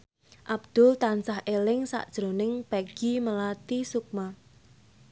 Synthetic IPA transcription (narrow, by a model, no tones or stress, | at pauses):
ʔab̥d̪̥ʊlt̪ansahʔelɪŋsa̰ʔd̥ʒ̥ɾonɪŋpaɡ̥i̤məlat̪isuk̚ma